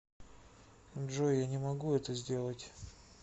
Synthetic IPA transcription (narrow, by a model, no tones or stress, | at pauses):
ʐojanʲɪmɐɡuɛt̪əzʲdʲe̞lˠətʲ